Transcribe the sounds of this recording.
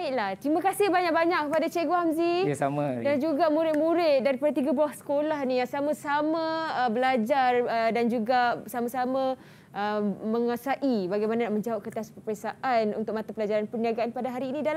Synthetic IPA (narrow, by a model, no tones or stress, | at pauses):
aɪʔlaht̪ɾimãkasɪhbaɲak̚baɲaʔk̚kəpadat͡ʃɛʔɡoamzisamadand͡ʒuɡamũɾɪt̪̚mũɾɪt̪̚daɾipadat̪iɡabuahsə̥kolaɦnĩjasamãsamãəbəlad͡ʒarədand͡ʒuɡasamãsamã | ʔəməŋasaʔibaɡajmananaʔməɲd͡ʒaaʔ̚kət̪aspəpəɾəsaʔanṵnt̪ʊk̚mat̪apəlad͡ʒaɾanpəniaɡaanpadaɦaɾiːnĩdal